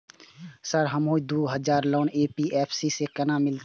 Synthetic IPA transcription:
səɾɦəmɦoid̪uɦəd͡ʒaːɾloːnepiʔɛpʰsisekənamɪlt̪

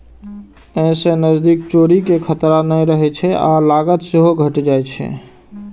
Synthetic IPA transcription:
ə̃sẽnəd͡ʒd̪ikt͡ʃoɾikekʰət̪ɾanəjɾəɦɛt͡ʃʰɛʔalaɡət̪seɦoɡʱəʈd͡ʒajt͡ʃʰɛ̰

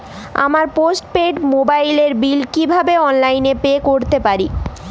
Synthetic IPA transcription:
a̰maɾposʈpeɖmobajleɾbilkibʱabeɔnlajnepekoɾt̪epaɾi

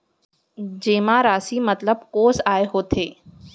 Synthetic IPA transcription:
d͡ʒeːmãːɾaːsimɐt̪ləb̚koːzaːeɦoːt̪ʰeː

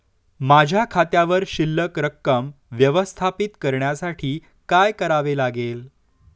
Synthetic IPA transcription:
mad͡ʑʱjakʰat̪jaʋəɾɕilːəkɾəkːəm | ʋjəʋəst̪ʰapit̪kəɾɳjasaʈʰiː | kajkəɾaʋelaɡel

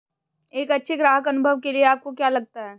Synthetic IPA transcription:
eːkɐtːʃʰeɡɾaːɦəkɐnʊbʱəʋkelieaːp̚kokjalɐɡ̚t̪aɦɛː

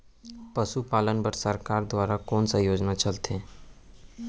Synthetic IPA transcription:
pəʃupaːlənbəɾsəɾkaːɾd̪waːɾakɔːnsajoːd͡ʒnat͡ʃɐlt̪ẽː

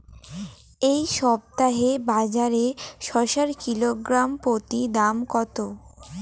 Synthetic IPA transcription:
ejʃɔb̚t̪aɦebad͡ʑaɾeʃɔʃaɾkiloɡɾampɾot̪id̪amkɔt̪o

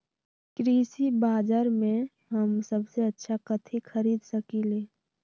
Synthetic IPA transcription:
kɾiːsibaːd͡ʒəɾmẽ | ɦəmsəbseətːʃʰakət̪ʰikʰəɾiːd̪səkileː

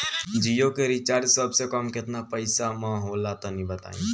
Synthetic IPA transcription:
d͡ʒijokeɾit͡ʃaːɾd͡ʒsəbsekɔmkɪt̪napəɪsamə̃ɦolat̪ɔnĩbət̪a̰ːḭ̃

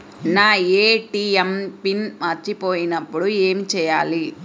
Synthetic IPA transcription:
naːeːʈiːempinmɐɾt͡ʃːipoːjinɐpːuɽueːmit͡ʃɛːjaːli

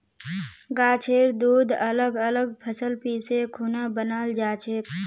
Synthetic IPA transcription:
ɡaːt͡ʃʰeːɾd̪uːd̪ələɡələɡ̚pʰəsəlpiːsekʰuːnabənaːld͡ʒaːt͡ʃʰek

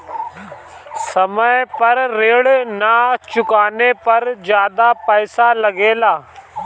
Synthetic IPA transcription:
səməjpəɾːeːɽnat͡ʃʊkaːneːpəɾd͡ʒjaːd̪aːpɛːsaləɡeːlaː

